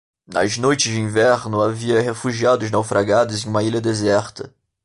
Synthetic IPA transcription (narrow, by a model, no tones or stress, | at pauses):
nɐ̰znojt͡ʃɪzd͡ʒɪĩvɛɾnʊaviɐɦefuʒiad̪ʊznawfɾaɡad̪ʊzẽj̃ũmɐilɐd̪ezɛɾt̪ɐ